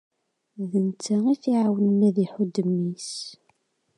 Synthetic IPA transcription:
ðənt͡sːæiθiʕawənənæðiħud̪əmːis

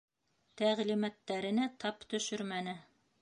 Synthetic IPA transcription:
t̪æʁlimæt̪ːæɾɘ̆næt̪ʰɑpt̪ɵ̆ʃɵɾmænɘ

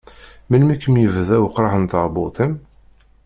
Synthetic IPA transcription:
məlmikːəmjəvðæwəqːɾˤɑħənt̪ɑɾˤbʊ̰t̪ˤim

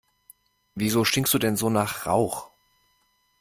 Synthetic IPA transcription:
viːzoːʃtɪŋkstd̥uːdɛnzoːnaːχʁa̰ʊx

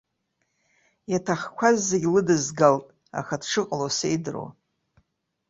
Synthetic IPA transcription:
jatʰaχkʷʰazːeɡʲlɨdɨzɡaltʼ | a̰χadʈ͡ʂɨqʼlosejdɨro̰

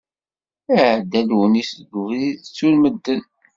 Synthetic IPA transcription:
æʕd̪ːælwənisɡvit͡sːulməd̪ːən

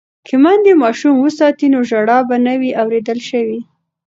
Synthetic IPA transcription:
kʰɪmand̪emɑʃumwəsɑt̪inoʒaɽɑbanawiʔawɾed̪əlʃəwi

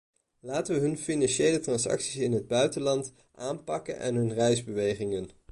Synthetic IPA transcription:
laːtəʋəɦɵnfinɑnʃejlətrɑnsɑ̰ksisɪnɦəd̚bœɥtəlɑnt | ʔaːmpɑkə̰nʔɛ̰nɦɵnrɛjzbəʋejχɪŋən

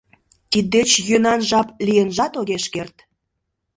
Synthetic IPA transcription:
t̪id̪ːet͡ɕjønɑnʒɑplijənʒɑt̪oɣeʃkert̪

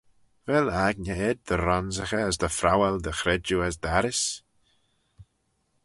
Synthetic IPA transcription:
vɛlaɡnəɛd̪̚d̪əɾɔnzəxəːsd̪əfɾawɛld̪əxɾɛd͡ʒuəzd̪aɾɪs

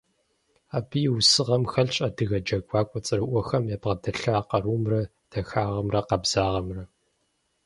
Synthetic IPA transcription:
aːbɨjwsɨʁɐmxɐɮɕʼɐdɨɣɐd͡ʒɐɡʷaːkʷʼɔt͡sʼɨrɨʔʷɔxɐmjabʁɐdɐɬɐːqɐɾuːmrɐ | d̥ɐxaːʁɐmrɐqɐbz̥aːʁɐmrɐ

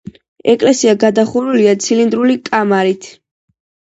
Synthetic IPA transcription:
ɛkʼlɛsiaɡad̪aχuɾuliat̪sʰilind̪ɾulikʼamaɾit̪ʰ

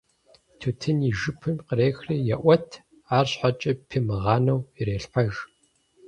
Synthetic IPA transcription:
tʰutʰɨniʒɨpʰɨmqəɾeːxriːjɛʔʷɐtʰ | aːrɕħat͡ʃʼɐpʰimɨʁɑːnɐwireːɬħʷɔʒ

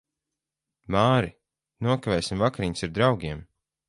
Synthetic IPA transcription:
maːɾi | nuɔkavʲɛːsʲimvakaɾiɲsiɾd̪ɾawɡʲiɛm

